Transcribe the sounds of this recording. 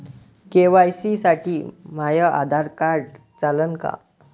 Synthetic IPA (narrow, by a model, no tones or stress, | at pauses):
keʋajsisaʈiːm̤ajəʔa̰d̪ʱaɾkaɾɖ | t͡salənka̰